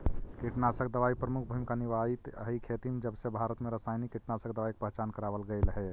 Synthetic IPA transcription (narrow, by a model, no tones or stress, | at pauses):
kiʈnasəkʰd̪əʋaipɾəmukʰbʱuimkaniʋait̪əɦikʰet̪imed͡ʒəbsebʱaɾət̪meɾəsajnikːiʈnasəkd̪əʋaike̥pəɦt͡ʃankəɾabəlɡəɪlɦɛ